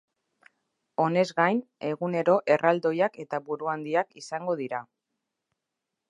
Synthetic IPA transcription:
o̞ne̞zɡajne̞ɣune̞ɾo̞ʔe̞rʔald̪o̞jake̞t̪aβuɾuand̪iakisaŋɡo̞ð̞iɾa

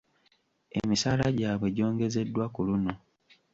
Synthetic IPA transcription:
e̞̰misaːlaɟaːβweɟo̞ːŋɡe̞ze̞dːwakuluno̞

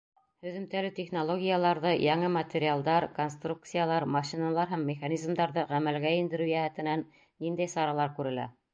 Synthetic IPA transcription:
hɵ̆ðɘ̆mt̪ælɘt̪ʲeχnolˠoɡʲijalˠɑɾðɤjɑɴɤmɐt̪ʲeɾʲɪalˠd̪ɑɾkonst̪ruk̚t̪sɨjalˠɑɾmɑʃinɑlˠɑɾɦæmːɪχɑnʲizmd̪ɑɾðɤʁæmælɡæind̪ɘ̆ɾʉjæhæt̪ɘ̆nænː | ind̪æjsɑɾɑlˠɑɾkʉɾɘ̆læ̰

